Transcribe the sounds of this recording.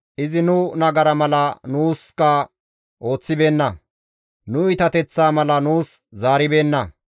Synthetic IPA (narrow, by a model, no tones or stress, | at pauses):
ʔɪzɪnʊnɐɡɐɾɐmɐlɐnuːskɐ | ʔo̞ːt͡sːɪbe̞ːnːɐ | nʊɪt̪ɐt̪ɛt͡sːaːmɐlɐnuːszaːɾɪbe̞ːnːɐ